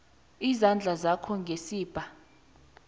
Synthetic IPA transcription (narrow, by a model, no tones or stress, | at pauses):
izand͡ɮʱazakʰɔŋɡʱesiːb̥ʼʱa